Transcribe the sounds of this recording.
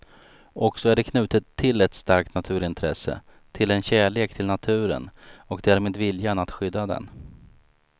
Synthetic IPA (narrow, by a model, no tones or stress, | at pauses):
ʔɔksɔæɖɛkʰnʉ̟ːt̪ət̪ʰːɪlɛt̪st̪aɾk̚t̪nat̪ʰʉ̟ːɾɪnt̪ʰɾɛsə̰ | t̪ʰɪlɛnɕæːɭeːkt̪ʰɪlnat̪ʰʉ̟ːɾə̰nɔkd̪æːɾmeːd̪vɪljanat̪ɧʏd̪ːad̪ɛ̰n